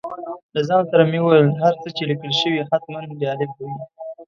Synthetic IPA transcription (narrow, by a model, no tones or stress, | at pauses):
lazɑnsaɾamewajlɦaɾt͡sət͡ʃelikəlʃəwihat̪̚mand̪d̪ɑlɪb̚ɡowi